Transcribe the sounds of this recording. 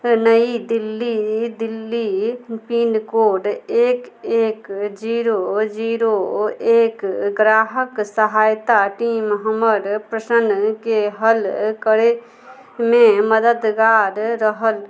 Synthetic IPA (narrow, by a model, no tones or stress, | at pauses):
nəid̪ilːid̪ilːipinkoːɖeːkeːkd͡ʒiɾod͡ʒiɾoeːkɡɾaːɦəksəɦaːjt̪aʈimɦəməɾpɾəʃənkeɦəlkəɾe | meməd̪əd̪ɡaɾːəɦəl